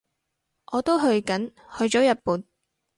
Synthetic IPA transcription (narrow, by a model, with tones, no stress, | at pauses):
ʔɔː˨˧t̪o˥wɦɵ˧ɥkɐ˨˥nhɵ˧ɥt͡ʃɔː˨˥jɐ˨t̚puː˨n